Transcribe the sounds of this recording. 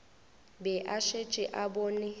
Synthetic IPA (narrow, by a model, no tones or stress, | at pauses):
bɛʔaʃet͡ʃʼɪʔabɔnɪ